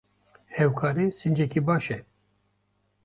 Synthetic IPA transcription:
hɛwkʰaːɾeːsɨnd͡ʒɛkibɑːʃɛ

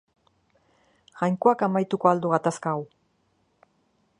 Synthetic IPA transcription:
ʝajŋko̞akamajt̪uko̞ald̪uɣat̪askaːw

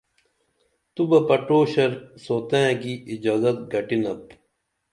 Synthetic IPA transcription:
t̪ubɐpɐʈoːɕɐɾsoːt̪ẽkiʔːd͡ʑaːzɐt̪̚ɡɐʈinɐp

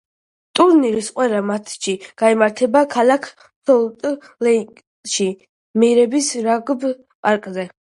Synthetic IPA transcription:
t̪ʼuɾnilisqʼwɛɾamat̪ʰʃiɡ̥aimaɾt̪ʰɛbakʰalakʰ | sɔlt̪ʼ | lɛkʼ | ʃi | mɛɾɛbisɾaɡb | pʼaɾkʼzɛ

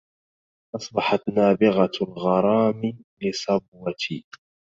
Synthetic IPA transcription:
ʔɑsˤbɑħɑt̪naːbɪɣalɣɑɾˤɑːmɪlɪsˤɑbwat̪ʰiː

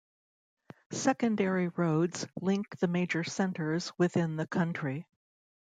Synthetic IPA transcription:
sɛkɨ̃ndɛɹiɹoʊdz̥lɪ̃ŋk̚ðɨmeɪd͡ʒə˞sɛ̃ntʰə˞z̥wɨθɪ̃nðɨkʰʌ̃nt͡ʃɹ̥i

